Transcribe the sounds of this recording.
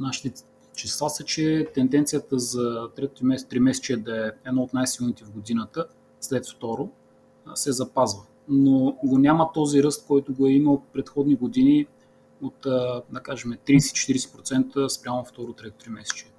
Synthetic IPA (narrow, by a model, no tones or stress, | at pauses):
naʃi̥t̪ɛ | t͡ʃɛslˠasət͡ʃɛt̪ɛnd̪ɛnt̪sijət̪əzɐt̪ɾɛt̪ot̪ɾimɛt̪ɾimɛsɛ̥t͡ʃiɛd̪ɐɛɛd̪nɔot̪najsilˠnit̪ɛvɡod̪inət̪ə | slɛt̪ft̪ɔɾo | sɛzɐpazvə | noɡonʲamət̪ɔziɾɤst̪̚kɔjt̪ʊɡoɛiməlpɾɛt̪xɔd̪niɡod̪ini | ot̪ːd̪ɐkaʒɛmɛt̪ɾiːsɛt͡ʃɛ̥t̪iɾisɛ̥pɾot̪sɛnt̪əspɾʲamoɐft̪ɔɾot̪ɾɛt̪o̥t̪ɾimɛsɛ̥t͡ʃiɛ